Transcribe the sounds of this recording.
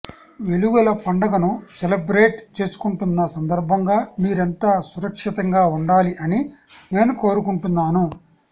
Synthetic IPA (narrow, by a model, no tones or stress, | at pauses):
ʋe̞luʋɐlɐpɐɳɖɐɡɐnuselɐbɾeːʈt͡ʃe̞ːsu̥kuɳʈunːɐsɐnd̪ɐɾbʱɐŋɡaːmiːɾent̪aːsuɾɐkʂit̪ɐŋɡaːuɳɖaːliʔɐnine̞ːnuko̞ːɾukuɳʈunːaːnu